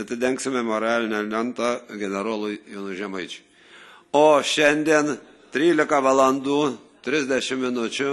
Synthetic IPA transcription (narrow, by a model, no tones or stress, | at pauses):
ɐt̪ʲɪd̪ʲɛŋksʲɪmʲɛmoɾʲɪɑːlʲɪnʲɛlʲɛnt̪ɑɡʲɛnʲɛɾoːlˠʊjonʊʒʲɛmɐjt͡ʃʲ | oːʃʲɛnʲd̪ʲiɛn | t̪ʲɾʲiːlʲɪkɑʋɐlˠɐnd̪uː | t̪ʲɾʲɪzʲd̪ʲɛʃʲɪmmʲɪnʊt͡ʃʲʊ